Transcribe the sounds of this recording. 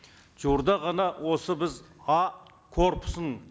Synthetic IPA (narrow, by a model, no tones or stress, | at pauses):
ʒuɾd̪ɑʁɑnɑwʔo̞səbɪzɑ | kʰo̞ɾpʊ̥səɴ